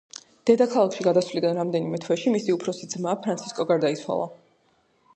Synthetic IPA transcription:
d̪̥ɛd̪akʰalˠakʃiɡad̪aswlid̪anɾamd̪ɛnimɛt̪ʰwɛʃimisiupʰɾɔsid̪zmaːpʰɾant̪sʰiskʼɔɡaɾd̪ait̪sʰwa̰lˠa̰

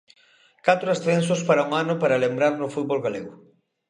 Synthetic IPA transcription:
kat̪ɾʊasθensʊspaɾauŋanʊpaɾalembɾaɾnʊfut̪bolɣaleɣʊ

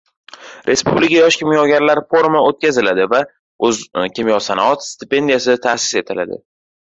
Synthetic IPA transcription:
ɾʔe̞spublɪkʲajɒʃkʲɪmjɒɡʲaɾlaɾfoɾmaot̪̚kʲazɪlad̪ɪva | ɵzkʲɪmjɒsanaɒt̪st̪ɪpe̞nd̪ijas̬ɪt̪ʰasɪ̥se̞t̪ʰɪla̰d̪ɪ̰

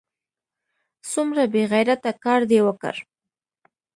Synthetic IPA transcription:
sʊmɾabeɣajɾat̪akɑɾd̪ewəkə̰ɾ

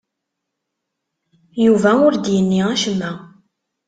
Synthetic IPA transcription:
juvæʊɾd̪jənːiæʃəmːæ

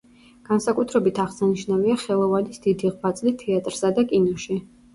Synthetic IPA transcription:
ɡ̥ansakʼut̪ʰɾɛbit̪ʰaʁsaniʃnaviaχɛlˠɔvanisd̪̥id̪iʁbat̪sʼlit̪ʰɛat̪ʼɾsad̪akʼinɔʃi

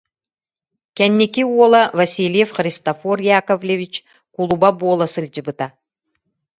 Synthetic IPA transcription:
kʲɛnːikiuɔlˠɐvɐsʲilʲjefχrʲɪst̪ɐforjakovlʲevʲit͡ʃ | kulˠubabuɔlˠasɯlʲd͡ʒɯbɯt̪a

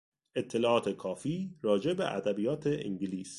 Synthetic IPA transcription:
ʔe̞t̪ʰːelɒːʔɒːt̪ʰe̞kʰɒːfiːɾɒːd͡ʒe̞bḛʔæ̰d̪æbijɒːt̪ʰeʔḭŋɟiliːs

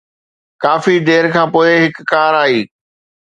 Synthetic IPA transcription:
kaːfid̪eːɾkʰãːpoːeɦɪkːaːɾaːiː

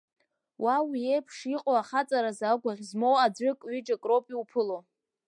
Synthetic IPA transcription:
wʔawiejpʰʂiqʼoaχat͡sʼaɾazaɡʷaʁʲzmowad͡zʷɨkʼɥid͡ʒakʼropʼiupʰɨlo

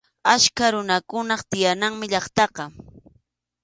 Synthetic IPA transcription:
aʃkaɾʊnakʊnɑχt̪ɪjanaŋmɪʎɑχt̪ɑqɑ

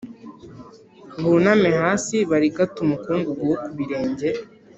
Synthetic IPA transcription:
βunamehaːsiβaɾiɡatumukuːŋɡuɡowokuβiɾe̞ːɲɟe

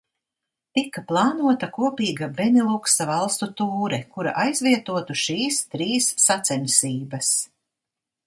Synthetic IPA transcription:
t̪ikːaplˠɑːnuɔt̪ɐkuɔpiːɡabvɛnilˠuksavɑlˠst̪ut̪uːɾɛkuɾa̰ʔajzvʲiɛt̪uɔt̪uʃiːst̪ɾiːsːat̪sɛnʲsiːbɐs

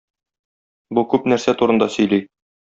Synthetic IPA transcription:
bukʉpnæɾsæt̪uɾɤ̆nd̪ɑsɵ̆jlij

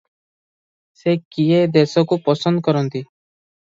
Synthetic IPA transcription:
sekied̪esɔkupɔsɔnd̪ɔkɔɾɔnt̪i

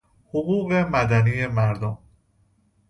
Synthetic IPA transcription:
hoɣuːɣe̞mæd̪æniːje̞mæɾd̪om

